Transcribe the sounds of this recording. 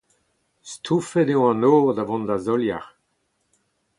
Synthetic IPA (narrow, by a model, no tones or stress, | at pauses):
st̪ʰufɛdeõɑ̃noːʁd̪avɔ̃ndazɔlja̰ʁ